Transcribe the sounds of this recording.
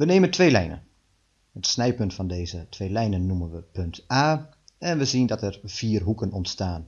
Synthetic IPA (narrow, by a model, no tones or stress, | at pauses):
ʋəneːməntʰʋeːlɛjnə̰n | ətsnɛjpøntfɔndeːzətʰʋeːlɛjnənːumənʋəpøntʰaː | ɛnʋəzindɔtɛrv̥iːrɦukənɔntstaːn